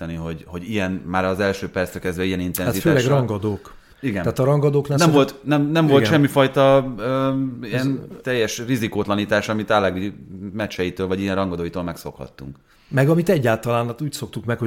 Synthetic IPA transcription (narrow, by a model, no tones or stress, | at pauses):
ɛniɦo̞ɟho̞ɟijɛnmaːɾɒːzɛlʃøːpɛrsɛkɛzd̪ʋɛijɛnint̪ɛnatzitføːlɛɡrɒŋɡɒd̪oːk | iɡɛnaːt̪ɒɾɒŋɡɒd̪oːknɛnɛmvolt̪nɛmnɛmvo̞lʃɛmːifɒjt̪ɒøiɛnnt̪ɛjːɛʃrizikoːt̪lɒniːt̪aːʃɒmit̪alɛɡimɛt͡ʃɛjit̪øːlvɒɟijɛnrɒŋɡɒd̪oːjit̪oːlmɛkso̞̰khɒ̰t̪ːuŋk | mɛɡɒmit̪ɛɟːaːlt̪ɒlaːnt̪uːcso̞k̚t̪ukmɛkho